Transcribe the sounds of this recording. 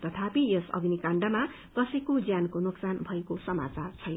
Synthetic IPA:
t̪ʌt̪ʰapijʌsʌ̰ɡnikaɳɖʌma | kʌsʌjkod͡zjankonuksanbʱʌekosʌma̰t͡sart͡sʰʌj

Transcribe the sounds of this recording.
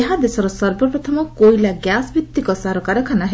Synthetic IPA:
eɦad̪esɔɾɔsɔɾbɔpɾɔt̪ʰɔmɔkojlaɡjasbit̪ːikɔsaɾɔkaɾɔkʰanaɦe

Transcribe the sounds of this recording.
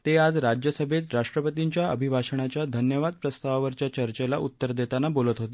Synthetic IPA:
t̪ead͡zɾad͡ʑjəsəbʱet̪ɾaʂʈɾəpət̪iɲt͡ɕjaəbʱibʱaɕəɳ̃at͡ɕjad̪ʱənjəʋad̪̚pɾəst̪aʋaʋəɾt͡ɕjat͡ɕəɾt͡ɕela̰ʔut̪ːəɾd̪et̪anabolət̪ɦot̪e

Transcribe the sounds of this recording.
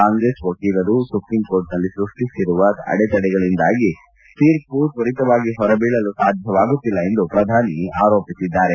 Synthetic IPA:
kaːŋɡɾeːskoːʈiːɾɐɾusupɾimkoːɾʈnɐlːisɾuʂʈisiɾuʋɐɐ̰ɽɛt͡ʃɐɽɛɡɐɭind̪aːɡi | piːɾpuːʈʋɐɾit̪ɐʋaːɡiɦɔɾɐbeːɭɐlusaːd̪ʱjɐʋaːɡut̪ːilːɐend̪upɾɐd̪ʱaːniaːɾo̞ːpisid̪ːaːɾe

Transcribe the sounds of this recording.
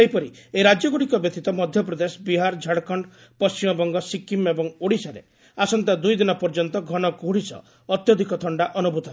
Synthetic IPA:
eɦjpɔɾieɾad͡ʒjɔɡuɽikɔbjet̪it̪ɔmɔd̪ʱjɔpɾɔd̪esɔbiɦaɾd͡ʒʱaɽkɔɳɖ | pɔst͡ʃimɔbɔŋɡɔsikimebɔŋoɽisaɾḛ | asɔnt̪ad̪ujd̪inɔpɔɾd͡ʒɔnt̪ɔɡʱɔñɔkoɦɽisɔ̰ | ɔt̪jɔd̪ʱikɔt̪ʰɔɳɖaʔɔnubʱut̪ɔɦ

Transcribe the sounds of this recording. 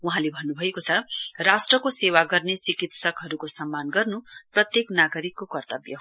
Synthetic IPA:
uɦãlebʱʌnːubʱʌekot͡sʰʌrasʈrʌkosewaɡʌrnet͡sikit̪sʌkɦʌɾukosʌmːanɡʌrnuprʌt̪jeknaɡʌɾikːokʌrt̪ʌbjʌ̰

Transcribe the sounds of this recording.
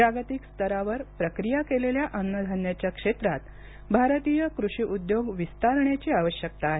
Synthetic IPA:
aɡt̪ikst̪ʰəɾaʋəɾpɾəkɾijakeleljaʔənːəd̪ʱanjat͡ɕjakʂet̪ɾat̪ | bʱaɾt̪ijəkɾuʂiʔud̪joɡʋist̪aɾɳjat͡ɕiːaʋəɕjək̚t̪aːɦe

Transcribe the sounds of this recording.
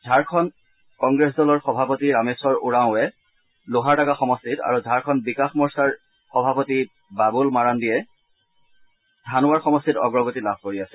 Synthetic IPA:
zʱaɹkʰɔn | kɔŋɡɹesdɔlɔɹxɔbʱapotiɹamesɔɹuɹaʊ̃ɛ | loɦaɹtakaxɔmɔstita̰ɹuzʱaɹkʰɔnbikaxmɔɹsaɹ | xɔbʱapoti | babulmaɹandijɛ | dʱanʊwaɹxɔmɔstitɔ̰ɡɹɔɡotilab̚ʱkoɹiasɛ̥

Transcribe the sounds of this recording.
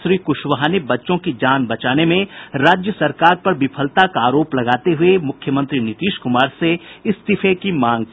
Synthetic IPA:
ʃɾiːkʊʃʋəɦaːnebɐtːʃõkid͡ʒaːnbɐt͡ʃaːnemẽɾaːd͡ʒjəsɐɾkaːɾpɐɾbɪpʰəlt̪akaːɾoːplɐɡaːt̪eɦʊemʊkʰjəmə̃nt̪ɾinɪt̪iːʃkʊmaːɾseɪst̪ɪfʰekimãːŋɡ

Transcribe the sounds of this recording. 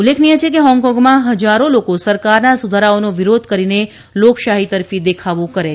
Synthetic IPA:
ulːekʰnijet͡ʃʰekeɦɔ̃ŋkɔ̃ŋɡmãɦəd͡ʒaɾolokosəɾkaɾnasud̪ʱaɾaonoʋiɾod̪ʱkəɾine | lokʃaɦit̪əɾfid̪ekʰaʋũkəɾe

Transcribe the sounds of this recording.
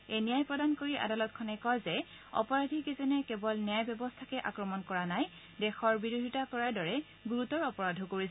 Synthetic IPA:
enijajpɹɔdankoɹiʔa̰dalɔt̚kʰɔnɛkɔzɛ | ɔ̰pɔɹadʱikezɔnɛkɛbɔlnijajbjɔbɔstʰakɛʔa̰kɹɔmɔnkɔɹanaj | dɛxɔɹbiɹodʱitakɔɹaɹdɔɹɛ | ɡuɹutɔɹɔpɔɹadʱɔkoɹis

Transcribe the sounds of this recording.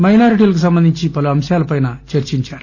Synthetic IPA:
mɐjnaːɾiʈiːlɐkusɐmbɐnd̪iɲt͡ʃipɐluɐmʃjaːlɐpɐjnɐt͡ʃɐɾt͡ʃiɲt͡ʃaːɾu

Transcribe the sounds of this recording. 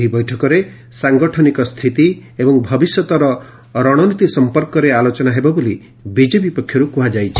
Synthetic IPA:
ɦibɔjʈʰɔkɔɾe | saŋɡɔʈʰɔnikɔst̪ʰit̪iebɔŋbʱɔbisjɔt̪ɔɾɔ | ɾɔɽ̃ɔnit̪isɔmpɔɾkɔɾealot͡ʃɔnaɦebɔboli | bid͡ʒebipɔkʰjɔɾukuɦad͡ʒajt͡ʃʰi̥

